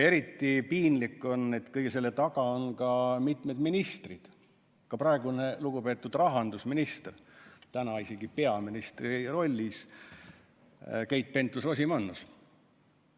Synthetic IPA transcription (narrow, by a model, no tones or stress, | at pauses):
e̞ɾit̪ːˑipiːnlikːˑo̞ne̞t̪ːkɤjɡ̥ese̞lːe̞t̪ɑɡ̥ɑonkɑmit̪med̪minist̪rid̪̥ | kɑprɑeɡune̞luɡupe̞ːt̪ːˑud̪rɑɦɑnd̪̥usminist̪ert̪ænɑiseɡ̥ipe̞ɑminist̪riro̞lʲːis | kejt̪̚pe̞nt̪lusos̬imɑnːus